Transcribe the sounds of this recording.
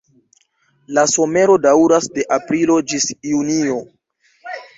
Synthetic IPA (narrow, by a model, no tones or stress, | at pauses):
laso̞me̞ɾo̞dawɾasde̞ʔapɾilo̞d͡ʒisjunio̞